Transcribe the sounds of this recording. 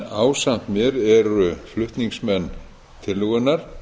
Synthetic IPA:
aːwsam̥t̪mjɛɾɛɾʏflʏht̪niŋksmɛnː | t̪ʰɪlːʏɣʏnːaɾ̥

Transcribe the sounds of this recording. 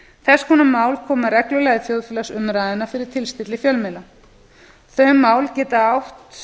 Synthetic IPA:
θɛskʰunamːaːwlkʰɔːmarɛklʏlɛːɣðɪfjoːwðfɪːlasʏmɾaːjðɪnafɪɾɪɾ̥t̪ʰɪlst̪ɪt̪lɪfjœlmɛla | θœɥmːaːwlcɛːt̪aawht̪

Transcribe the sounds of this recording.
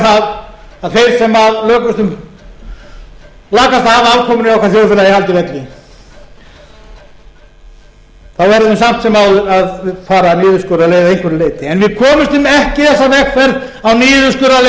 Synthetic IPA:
θaðaðfeːjɾ̥sɛmaðlœːkʏst̪ʏm | laːkast̪ahaːvaaːwlkʰɔːmʏnɪawkʰvaɾθjowɾfɪlaihalt̪ɪvɛt̪lɪ | θawvɛɾðʏðʏmsam̥t̪sɛmaːwðʏɾaðfaːɾaniːðʏskœɾaleːjðaejŋ̥kʰvɛɾɪleːjt̪ɪɛnvɪðkʰɔːmɪst̪ʏmɛhcɪθɛsːavɛxfɛɾð | awniːðʏskœɾale

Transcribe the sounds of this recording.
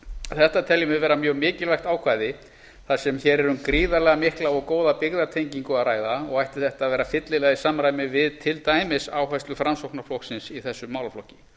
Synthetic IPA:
θɛht̪at̪ʰɛljʏmɪvɛːɾamjœːɣmɪːcɪlvajxt̪aːwkʰvaːjðɪ | θasɛmçɛːɾɛɾʏmkɾiːðalɛɣamɪhklaɔɣkoːwðapɪɣðat̪ʰejɲciŋkʏaðraːjðaɔɣajht̪ɪ̥θɛht̪aðvɛːɾafɪt̪lɪlɛːɣaisamɾajmɪvɪðt̪ʰɪlt̪aːjmɪsaːwɦajsʏfɾamsowhknaflɔhksɪnsiθɛsːʏmːaːwlaflɔhcɪ̥

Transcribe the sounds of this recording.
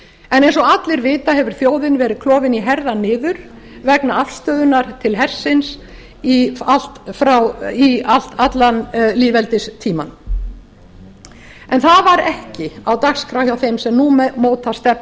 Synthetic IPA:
ɛnejnsɔat̪lɪɾvɪːt̪aɦɛvʏɾ̥θjoːwðɪnvɛːɾɪkʰlɔːvɪniɦɛɾðanɪːðʏɾ | vɛknaafst̪œːðʏnaɾt̪ʰɪlɦɛr̥sɪns | ial̥t̪fɾawial̥t̪at̪lanliːvɛlt̪ɪst̪ʰiːma̰n | ɛnθaðvaɾɛhcɪawt̪axskɾawhjawθejmsɛmnuːmɛmoːwt̪ʰast̪ɛp

